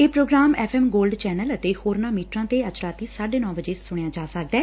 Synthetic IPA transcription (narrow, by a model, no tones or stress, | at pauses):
eːpɾoːɡɾaːmɛːpʰɛːmɡoːlɖt͡ʃɛːnələt̪eːhoːɾnaːmiːʈɾãːt̪eːət͡ʃɾaːt̪iːsaːɖeːnɔ̃ːʋəd͡ʒeːsʊɳ̃ejaːd͡ʒaːsək̚d̪ɛː